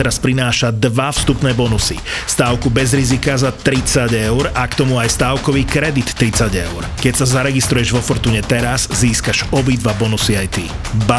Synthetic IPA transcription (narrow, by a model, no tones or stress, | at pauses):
ɛɾaspɾinaːʃad̪ʋafst̪upnɛːbɔnusḭst̪aːʊkubɛzɾizikazat̪ɾit͡saɟɛʊɾakt̪ɔmuajst̪aːʊkɔʋiːkɾɛd̪it̪ːɾit͡saɟɛʊɾkɛcsazaɾɛɡist̪ɾujɛʒʋɔfɔɾt̪uːɲɛt̪ɛɾazziːskaʒɔbid̪ʋabɔnusiajt̪i | ba